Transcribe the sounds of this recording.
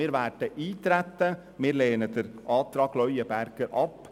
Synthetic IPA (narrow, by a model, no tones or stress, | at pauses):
ɪːɾʋæːʈəʔiːt̪ɾɛt̪ːə | mɪːɾleːnəd̪əɾʔɑːt̪ɾɑːɡlœʏəbæɾɡ̥əɾʔɑp